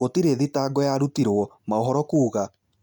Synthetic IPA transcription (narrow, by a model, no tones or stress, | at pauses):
otiɾeðitaɡɔjaɾutiɾwɔmaoɦɔɾɔkuːɣa